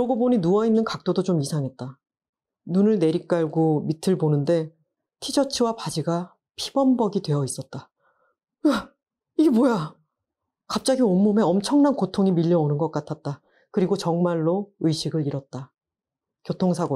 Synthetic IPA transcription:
ʌɡoboɲinuwainːɯnkak̚t͈odot͡ɕomisʰaŋɦe̞t̚t͈a | nunɯɭne̞ɾik̚k͈aɭɡomitʰɯɭbonɯnde̞ | tʰid͡ʑʰʌt͡ɕʰiwapad͡ʑiɡa | pʰibʌmbʌɡidwe̞ʌis͈ʌt̚t͈a | a | iɡe̞moja | kap̚t͡ɕ͈aɡiomːome̞ʌmt͡ɕʰʌŋnankotʰoŋimiʎːʌonɯnɡʌk͈atʰat̚t͈a | kɯɾiɡot͡ɕʌŋmaɭːoɯjɕʰiɡɯɭiɾʌt̚t͈a | kjotʰoŋsʰaɡo

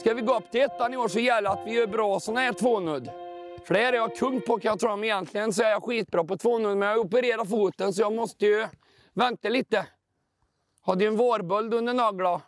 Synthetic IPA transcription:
skavɪɡoːɵpːt̪ʰɪɛt̪ːanɪoːʂɔjɛlːəɾat̪vɪœbɾɑːsɔnɛt̪ʰvoːnɵd̪ | fœɖæɾɛjɑkʰɵŋpʰɔkʰaat̪ʰɾɔmːɪjɛnt̪ʰlɪɡəns̬ɔɛɾjɑɧiːt̪̚bɾɑːpɔt̪ʰvoːnœd̪mɛnjɑɔp̬əɾeːɾaɾfuːt̪ənsɔjɑːɡmɔst̪əjɵ | vɛnt̪aliːt̪ə | hɑːd̪ɪɛnvoːɾbœld̪ɵnd̪əɳɑːɡla

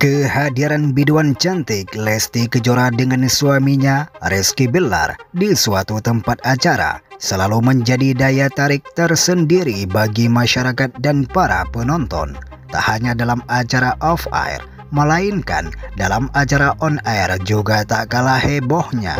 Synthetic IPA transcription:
kəhadiɾanbiduant͡ʃant̪ɪklɛst̪ikəd͡ʒoɾadəŋansuamiɲarɛskibəla̰rdisuat̪ut̪əmpat̪̚at͡ʃaɾa̰səlaluməɲd͡ʒadidajat̪aɾɪk̚t̪ərsəndiɾibaɡimaʃaɾakat̪̚danpaɾa̰pənɔnt̪ɔ̰n | t̪a̰haɲadalamat͡ʃaɾaʔɔfa̰j̰r | məlainka̰ndalamat͡ʃaɾaʔɔnajrd͡ʒuɡat̪aʔkalahɛbɔhɲa̰

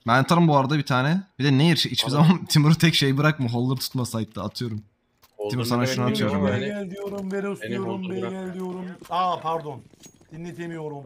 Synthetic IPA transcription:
bænat̪ʰaɯmbuaɾad̪abit̪ʰaːnɛbid̪ɛnejiɾʃit͡ʃbizamant̪ʰimuɾut̪ʰɛcʃejbɯɾak̚mɯɦolˠːɯɾt̪ʰu̥t̪masajɯt̪ːaat̪ʰɯjo̞ɾum | t̪ʰimuɾsanaʃunat̪ʰɯjo̞ɾumjaælʲd̪ijoɾumveɾeusujoɾumbeɟælʲd̪ijo̞ɾumapʰaɾd̪ond̪̥inːet̪ʰemijo̞ɾum

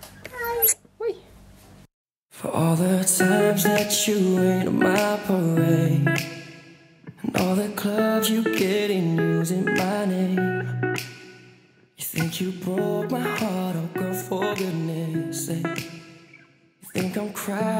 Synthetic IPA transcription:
fə̰˞ʔɔlˠðətʰãɪ̃mzðɨt͡ʃɨwẽɪ̃nɾɨ̰maɪpʰəleɪ | ə̃nʔɔ̰lˠðɨkʰl̥ʌbzjɨɡɛɾɪ̃ŋjuuzɪ̃nmaɪneɪ | jɨθɪ̃ŋkʰjɨbɹɔt̚maɪhɑɹɾaɡoʊfə˞ɡʊdⁿneeɪseɪ | jɨθɪ̃ŋkãɪ̃mkʰɹ̥a

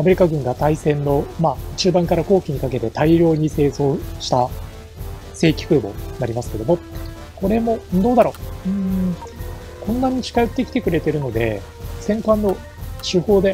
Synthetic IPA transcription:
ame̞ɾʲikaɡɯ̟̃ŋɡat̪aisẽ̞nːo̞maːɯt͡ɕɨːbãŋkaɾako̞ːkʲiɲ̟ikake̞t̪e̞t̪aiɾʲo̞ːɲ̟ise̞ːzo̞ːɕi̥t̪a | se̞ːkʲi̥kɯ̟ːbo̞̰naɾʲimasɨ̥ke̞d̪o̞mo̞ | ko̞ɾe̞mõ̞d̪o̞ːd̪aɾo̞ːɯ̟̃ː | kõ̞nːaɲ̟it͡ɕi̥kaɯt̪ːe̞kʲi̥t̪ekɯ̟ɾe̞t̪e̞ɾɯ̟no̞d̪e̞̰ | sẽ̞ŋkãnːo̞ | ɕɨho̞ːd̪e̞

